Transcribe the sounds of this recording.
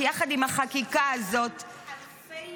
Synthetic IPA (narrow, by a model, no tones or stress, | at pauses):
jaχad̪imhaχakikaazo̞t̪